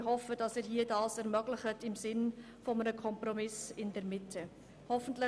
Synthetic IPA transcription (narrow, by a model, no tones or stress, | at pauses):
hɔfədɑsɪːɾɦiːədɑːsɛɾmœɡlɪχətɪmsɪn | fɔmənəkʰɔmprɔmɪsɪndɛɾmɪtʰə | hɔfəntlɪ